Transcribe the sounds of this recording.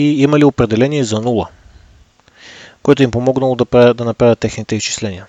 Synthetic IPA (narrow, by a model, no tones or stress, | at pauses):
iimɐliopɾɛd̪ɛlɛnʲiɛzɐnulˠə | koɛt̪ʊimpomɔɡnəlˠod̪ɐpɾad̪ɐnɐpɾavʲət̪ːɛxnit̪ɛist͡ʃi̥slɛnʲiə